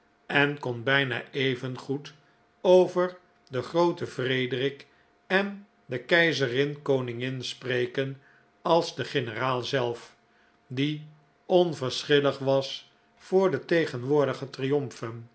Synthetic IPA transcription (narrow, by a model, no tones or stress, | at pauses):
ɛnkɔnbɛjna̰ːejvənχut | owvəɹ | dəχrowtəvrejdrɪk | ɛn | dəkɛjzərɪnkownɪŋɪnsprejkən | ɑlˠzdəχɪnəraːlˠzɛlˠf | di | ɔnvəɹsχɪləχʋɑs | fʊːɹdətejχənʋʊːɹdəχətrijɔmfən